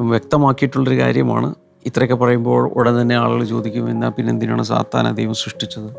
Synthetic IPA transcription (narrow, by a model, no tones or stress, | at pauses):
ʋjek̚t̪ɐmaːkːijiʈːuɭːɐoɾuka̰ːɾjɐma̰ːɳɨ̰ | it̪rɐkʲːepɐrɐjumbo̞ːɭo̰ɽɐnt̪ɐnːe̞aːɭɣɐɭt͡ɕo̞ːd̪ikʲːumenːaːpinːend̪ina̰ːɳɨsa̰ːt̪ːa̰ːnɐ̰d̪ejɐmsrɨʂʈit͡ɕːɐðɨ